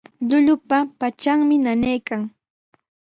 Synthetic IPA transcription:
ʎʊʎʊpapat͡ʃaŋmɪnanajkaŋ

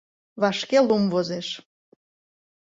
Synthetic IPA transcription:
βɑʃkelumvozeʃ

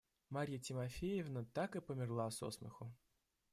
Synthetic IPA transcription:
maɾʲijətʲɪmɐfʲejɪvnət̪akɨpəmʲɪrlˠaso̰smə̰xʊ

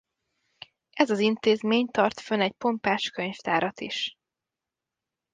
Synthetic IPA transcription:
ʔɛzɒzint̪eːzmeːɲt̪ɒrt̪fønɛcpo̞mpaːʃkøɲft̪aːɾɒt̪iʃ

